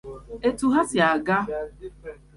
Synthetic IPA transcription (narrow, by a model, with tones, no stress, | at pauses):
e˨tu˨ɦa˦sja˨ɡa˦